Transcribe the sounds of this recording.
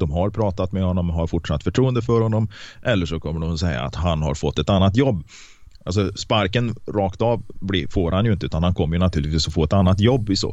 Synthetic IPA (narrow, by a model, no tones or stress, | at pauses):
d̪̥ɔmɦaɾpʰɾɑːt̪at̪mɛhɔnːɔmːɦaɾfʊʈʂat̪ːfœʈʰɾuːənd̪əfœɾhɔnːɔmʔɛlːəʂɔkʰɔmːəɖʊmsɛjːa̰ːt̪ɦanha̰ɾfɔt̪ːɛt̪anːat̪̬jɔbː | ʔals̬ɔspaɾkənɾɑːkt̪ɑːvblɪfoːɾhanjɵɪnt̪əʉ̟ːt̪anhankʰɔmːəɾjʉnat̪ʰʉːlɪt̪viːsɔfoːɛt̪anːat̪jɔbːɪso̰ː